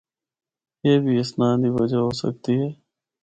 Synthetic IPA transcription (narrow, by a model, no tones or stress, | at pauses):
jeːbʱiːɪsnãːd̪iːʋəd͡ʒaːɦoːsə̰k̚t̪iːɦɛː